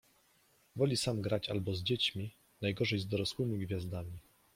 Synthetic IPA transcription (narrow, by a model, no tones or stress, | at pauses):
vɔlʲisamɡɾat͡ɕa̰lbɔzd͡ʑet͡ɕmʲi | najɡɔʐɛjzd̪ɔɾɔswɘmʲiɡvʲjazd̪amʲi